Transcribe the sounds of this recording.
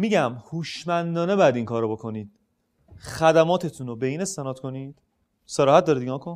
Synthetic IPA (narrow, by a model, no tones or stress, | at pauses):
miːɟæmhuːʃmænd̪ɒːne̞bɒːjæd̪iŋkʰɒːɾobo̞kʰo̞niːd̪̥̚ | xæd̪æmɒːt̪ʰe̞t̪ʰunobe̞iːne̞st̪e̞nɒːt̪kʰo̞nid̪̥ | seɾɒːhæt̪̚d̪ɒːɾid̪iɡɒːkʰon